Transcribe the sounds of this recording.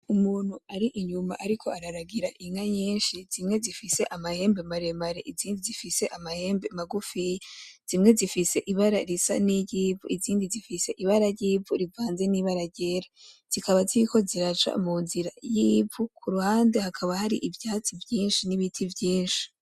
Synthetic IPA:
umuːn̥huaɾiʔiɲuma̰ʔaɾikʰo̞aɾaɾaɡiɾaʔiŋaɲiːnʃizimŋe̞zifise̞ʔamahe̞ːmbemaɾemaɾeʔiziːndizifise̞ʔamahe̞ːmbe̞maɡufijez̥imŋe̞zifise̞ʔiβaɾaɾisa̰niɟiːbṵʔiziːndizifise̞ʔiβaɾaɟiːbuɾivaːnze̞niβaɾaɟeɾaz̥ikaβaziβiko̞ziɾat͡ʃa̰muːnziɾajiːukʰuɾuhaːnde̞hakʰaβahaɾiʔivjaːt͡sivjiːnʃiniβitʰivjiːnʃi̥

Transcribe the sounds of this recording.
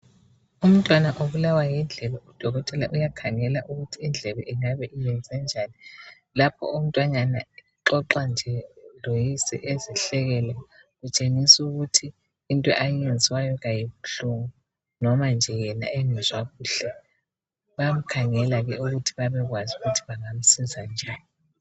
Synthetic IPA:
um̩tʼwanaʔoβulawajind͡ɮʱɛβɛud̥ʱɔɣɔtʼɛlaʔujakʰaŋɛlaʔuɣutʰiːnd͡ɮʱɛβɛʔiŋaβɛʔijɛnd͡zʱɛnd͡ʒʱaːni | lapʰɔ̰um̩tʼwaɲanaiǁɔǁand͡ʒʱɛlojisɛ̰ʔeziɬɛɣɛla | ɣut͡ʃʼeŋisuɣutʰiː | ntʼɔ̰ʔajend͡zʱiwajɔɣajiβuɬuŋu | nɔmand͡ʒʱɛjɛna̰eŋɛzwaɣuːɬɛ | βam̩kʰaŋɛlaɣɛuɣutʰiβaβɛɣwazuɣutʰi̥βaŋam̩sizand͡ʒʱaːni

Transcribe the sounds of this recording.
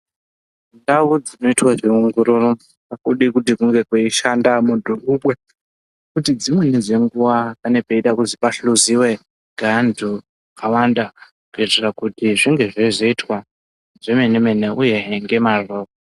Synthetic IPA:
ndaud͡zino̞itwaʐiuŋɡuɾuro | akuɗikutikuŋɡe̞kweiʃandamudʱuʔuɓwe | kutid͡zimwe̞ned͡zʷe̞ŋɡuwakane̞peiɗakuzipaɬuziwe̞ | ɡʱandʱu | kawanda | kuetirakutiʐiŋɡe̞ʐeʐeitwa | ʐemenemeneʔuje̞ŋɡe̞maroːko

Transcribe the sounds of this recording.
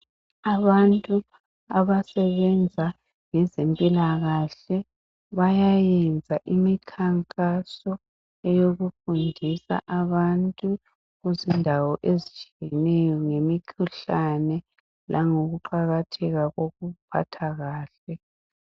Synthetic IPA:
aβantʼu | aβasɛβɛnd͡zʱa | ŋɛzempʼilaɣaɬɛ | βajajɛnd͡zʱaʔimikʰaŋkʼasɔ | ɛjoɣufundʱisa̰ʔaβantʼu | ɣuzindʱawɔʔezit͡ʃʼijɛnɛjɔŋemikʰuɬanɛ | lʔaŋoɣuǃaɣatʰɛɣaɣoɣupʰa̰tʰaɣaːɬɛ

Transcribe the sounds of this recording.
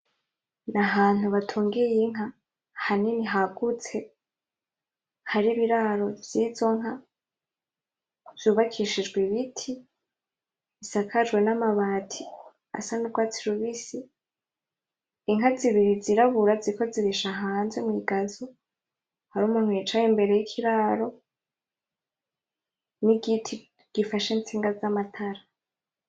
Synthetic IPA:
naɦaːn̥huβatʰuːŋɡijiŋ̥ɦa | haniniɦaɡ̥ut͡se̞ | haɾiβiɾaɾo̞vjiːzo̞ŋ̥ɦa | vjuːβakʰiʃid͡ʒɡwiβitʰi | βisakʰad͡ʒɡwe̞namaβaːtʰi | a̰sanuɡwaːt͡siɾuβisi | iŋɦaziβiɾiziɾaβuɾaziko̞ziɾiʃaɦaːnzemwiːɡazo | haɾuːmun̥hujet͡ʃajimbe̞ɾe̞jikʰiɾaːɾo̞ | niɡitʰi | ɡ̥ifaʃent͡siːŋɡazamatʰaɾa

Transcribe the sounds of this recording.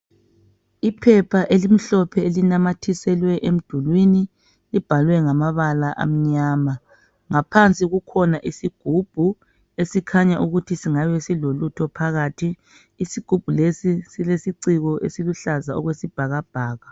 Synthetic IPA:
ipʰɛpʰaʔelim̩ɬɔpʰɛelinamatʰisɛlwɛʔem̩d̥ʱulwini | lib̥ʱalwɛŋamaβalaʔa̰m̩ɲaːma | ŋapʰant͡sʼiɣukʰɔnaʔisiɡ̥ʱub̥ʱu | esikʰaɲaʔuɣutʰisiŋaβɛsilolutʰɔpʰaɣaːtʰiː | siɡ̥ʱub̥ʱulesisilesiǀiɣɔʔesiluɬazaɔ̰ɣwesib̥ʱaɣab̥ʱaːɣa

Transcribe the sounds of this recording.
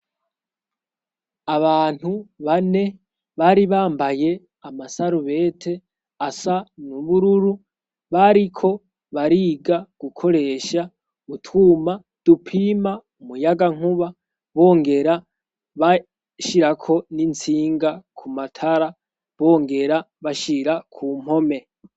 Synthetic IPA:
aβaːn̥huβane̞ | βaːɾiβaːmbaje̞ | amasaɾuβe̞ːtʰe̞ | asanuβuɾuɾu | βaɾikʰo̞ | βaɾiːɡaɡ̥ukʰo̞ɾe̞ːʃa | utʰwuːma | d̥upʰimaumujaɡaŋ̥uβa | βo̞ːŋɡe̞ɾa | βa | ʃiɾakʰo̞nint͡siːŋɡakʰumatʰaɾa | βo̞ːŋɡe̞ɾa | βaʃiɾakʰuːm̥ho̞me̞

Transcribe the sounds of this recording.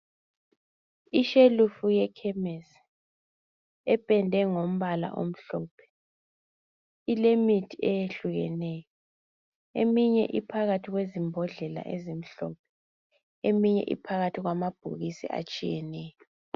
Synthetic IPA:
iʃelufujɛkʰɛmɛs | ɛpʼɛndʱɛŋom̩βala̰ʔo̰m̩ɬɔːpʰɛ̥ | ilemitʰiɛjeɬuɣɛ̰nɛjɔɔ | emiɲɛ̰ʔipʰaɣatʰiɣwezimbʱɔɮɛla̰ʔezim̩ɬɔp̚ʰɛ | emiɲɛ̰ʔḭpʰaɣatʰiɣwamab̥ʱṵɣisḭʔa̰t͡ʃʼijɛnɛːjɔɔ

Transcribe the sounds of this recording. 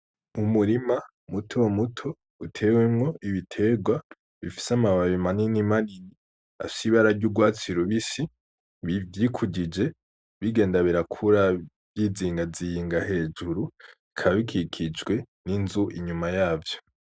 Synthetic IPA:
umuɾima | mutʰomutʰo̞ | utʰe̞wemŋo̞ʔiβitʰe̞ɡwa | βifi̥samaβaβimaninimanini | a̰fi̥siβaɾaɾɟuːɡwaːt͡siɾuβisi | βjikʰuɟid͡ʒe̞ | βiɡe̞ːndaβiɾakʰuɾa | βjiːziːŋɡazijiːŋɡahe̞ːd͡ʒuɾuikʰaβaβikʰikʰid͡ʒɡwe̞ | ninzuʔiɲumajaːvjo̞

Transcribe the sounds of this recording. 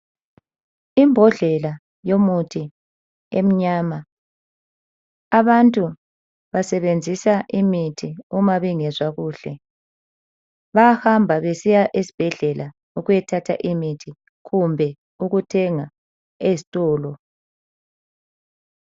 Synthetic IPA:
imbʱɔɮɛla | jomutʰi | em̩ɲaːma | βantʼu | βasɛβend͡zʱisaʔimitʰiumaβiŋɛzwaɣuːɬɛ | βahambʱaβesijaʔesi̥b̥ʱɛɮɛla | uɣujɛtʰatʰa̰ʔimitʰi | ɣumbʱɛ | uɣutʰɛŋa | ezitʼɔːlɔ

